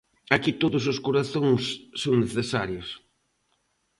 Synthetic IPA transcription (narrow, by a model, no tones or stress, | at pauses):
akit̪oðʊsʊskoɾaθoŋsːoŋneθesaɾjos